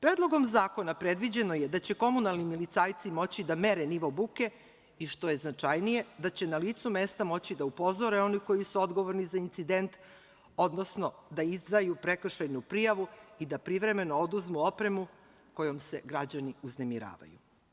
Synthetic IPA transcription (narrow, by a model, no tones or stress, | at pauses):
pɾeːd̪lˠo̞ɡo̞mzaːko̞napɾe̞d̪ʋid͡ʑe̞noje̞d̪at͡ɕe̞ko̞munalˠnimilit̪saːjt̪simo̞t͡ɕid̪ame̞ɾeniʋobuke̞ | iʃt̪o̞je̞znat͡ʂajnije̞d̪at͡ɕe̞naliːt̪sumeːst̪amo̞t͡ɕid̪aupo̞zo̞ɾe̞o̞niko̞jisuo̞d̪ɡo̞ʋoɾnizaint̪sid̪e̞nt̪ | o̞d̪no̞sno̞d̪aizd̪ajupɾe̞kr̩ʃejnupɾijaʋuid̪apɾiʋɾe̞me̞no̞od̪uzmuo̞pɾe̞mu | ko̞jomse̞ɡɾad͡ʑaniuzne̞miɾa̰ːʋa̰jṵ